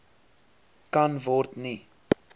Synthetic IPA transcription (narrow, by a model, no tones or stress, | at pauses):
kɐnvɔrt̪ni